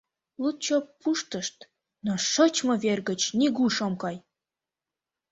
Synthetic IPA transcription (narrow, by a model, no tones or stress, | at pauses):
lut̪̚t͡ɕopːuʃt̪əʃt̪ | noʃot͡ɕmɤβerɣə̆t͡ɕnʲiɣuʃomkɑj